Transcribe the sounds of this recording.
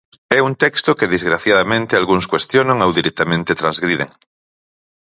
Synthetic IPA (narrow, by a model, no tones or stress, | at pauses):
ɛunt̪ɛkst̪okeðezɣɾaθjaðamẽnt̪ealɣuŋskwest̪jonõŋowðiɾek̚t̪amẽnt̪et̪ɾanzɣɾið̞ḛŋ